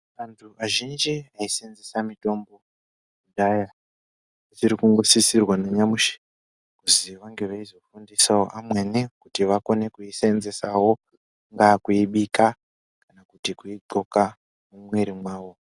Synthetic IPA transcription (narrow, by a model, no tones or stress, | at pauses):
antʰuaʒind͡ʒiaisenzesamito̞mbo̞ | udaja | zirikuŋɡo̞sisirwaneɲamuʃe̥ | kuziʋaŋɡe̞ʋaizo̞fundisao̰ʔamwenekutiʋako̞ne̞kuisaenze̞sawo̞ | ŋɡakuiɓika | kanakutikuiǃo̞ka | mumwe̞ɾimwaːwo̞